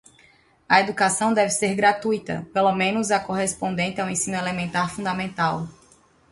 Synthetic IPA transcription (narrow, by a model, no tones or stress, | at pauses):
ɐed̪ukasɐ̃w̃d̪ɛvɪseɾɡɾat̪ujt̪ɐ̰pelomẽnʊzɐkoɦespõnd̪ẽnt̪ɪawẽsĩnʊelemẽnt̪aɾfũd̪amẽnt̪aw